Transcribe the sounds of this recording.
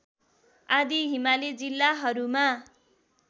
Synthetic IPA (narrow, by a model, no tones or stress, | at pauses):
ad̪iɦimaled͡zilːaɦʌɾuma